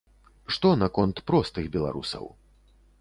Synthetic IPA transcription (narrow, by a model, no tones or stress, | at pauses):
ʂt̪ɔnakɔnt̪pɾɔst̪ɨɣbʲɛlˠa̰ɾṵsɐ̰w